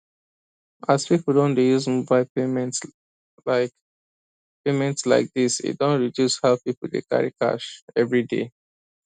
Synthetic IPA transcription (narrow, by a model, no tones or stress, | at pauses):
ʔaspipəl̩ˠdõndejuzmuvbaɪ̃n | laɪk | pemɛ̃ntsla̰ɪk̚disḭt̚dõnɹidjushalpipəl̩dḛka̰ɹḭka̰ʃɛvɹidḛ